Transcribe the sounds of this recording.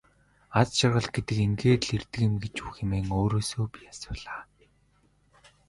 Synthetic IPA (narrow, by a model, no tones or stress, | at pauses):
at͡sʃɪ̆rʁə̆ɮɡ̥et̪ɘ̆keŋɡeːt̪ɮert̪ɘ̆kɘ̆mɡet͡ɕuːxemeːŋoːɾoːsoːpʲiasʊːɮaː